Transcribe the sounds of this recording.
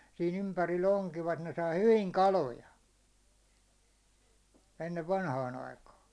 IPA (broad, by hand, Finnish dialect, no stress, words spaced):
siːn ympærilː oŋkiʋɑt ne sɑi hyʋiŋ kɑlojɑ enːeʋ ʋɑnhɑːn ɑikɑː